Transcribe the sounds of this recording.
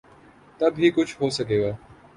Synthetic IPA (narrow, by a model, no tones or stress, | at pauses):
t̪ɐbɦikʊt͡ʃʰɦoːsɐkeːɡaː